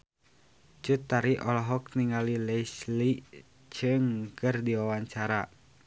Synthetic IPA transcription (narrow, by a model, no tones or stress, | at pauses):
t͡ʃut̪ːaɾiʔɔlɔɦɔk̚niŋalilɛsli | t͡ʃɨŋkɨrdiwawaɲt͡ʃaɾa